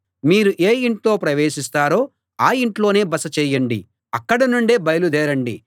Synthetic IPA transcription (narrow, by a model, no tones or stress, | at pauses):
miːɾuʔeːiɳʈlo̞ːpɾɐʋeːʃist̪aːɾo̞ː | aːiɳʈlo̞ːne̞ːbɐsɐt͡ʃɛːjɐɳɖḭ | ɐkːɐɽɐnuɳɖe̞ːbɐjɐlud̪ɛːɾɐɳɖḭ